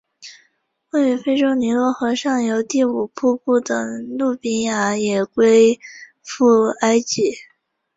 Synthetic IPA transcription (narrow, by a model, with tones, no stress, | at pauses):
wɛ˥˩y˧˥fe˥ɪʈ͡ʂo˥ʊni˧˥lwɔ˥˩xɤ˧˥ʂɑ˥˩ŋjo˧˥ʊt̪i˥˩u˨˩pʰu˥pu˥˩d̪ɤ˨˩ŋlu˥˩pi˥nja˧˥jɛ˨˩kwe˥ɪ | fu˥˩a˥ɪt͡ɕi˧˥